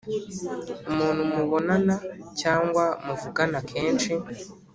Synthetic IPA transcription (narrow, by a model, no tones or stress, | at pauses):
umuːnhumuβo̞nanacaːŋɡwamuvuɡanakʰeːnʃi